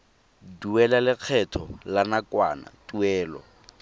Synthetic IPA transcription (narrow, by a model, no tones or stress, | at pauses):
duɛlalɪq͡χʰɛtʰɔlanakʼwa̰na̰tʼuɛːlɔ̰